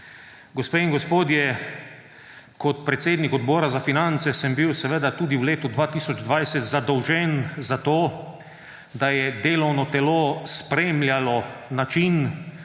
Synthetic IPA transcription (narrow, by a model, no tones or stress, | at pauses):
ɡospeːiŋɡɔspoːd̪jɛ | kɔt̪pɾɛt̪seːd̪nikɔd̪boːɾazafinant̪sɛsɛmbiwsɛʋed̪at̪uːd̪iwleːt̪ud̪ʋaːt̪iːsɔd͡ʒd̪ʋajsɛt̪zad̪ɔwʒɛnzat̪oː | d̪ajɛd̪eːlɔwnɔt̪ɛloːspɾeːmlʲjalɔnat͡ʃin